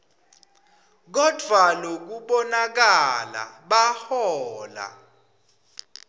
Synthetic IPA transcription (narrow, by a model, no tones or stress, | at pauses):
k̬ɔd̥ʱwalok̬uɓɔnak̬ala̰ɓahɔːla̰